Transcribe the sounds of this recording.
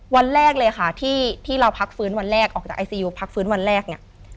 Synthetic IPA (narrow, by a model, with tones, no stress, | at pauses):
wa˧nɾɛː˥˩k̚lɤː˧jkʰa˥˩t̪ʰiː˥˩t̪ʰiː˥˩ɾa˧wpʰa˦˥k̚fɯː˦˥nwa˧nɾɛː˥˩k̚ʔɔː˨˩k̚t͡ɕaː˨˩ʔa˧jsiː˧juː˧pʰa˦˥k̚fɯː˦˥nwa˧nɾɛː˥˩k̚ni˥˩ʔ